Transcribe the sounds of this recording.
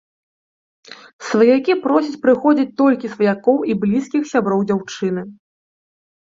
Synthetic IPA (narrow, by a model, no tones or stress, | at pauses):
svɐjakʲipɾɔsʲɐt͡sʲpɾɨxɔd͡zʲit͡sʲt̪ɔlʲkʲisvɐjakɔwiblʲiskʲixsʲabɾɔwd͡zʲawt͡ʂɨnɨ